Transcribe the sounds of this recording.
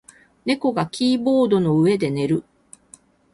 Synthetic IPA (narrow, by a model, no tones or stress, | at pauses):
ne̞ko̞ɡakʲiːbo̞ːd̪o̞no̞ɯ̟e̞d̪e̞ne̞ɾɯ̟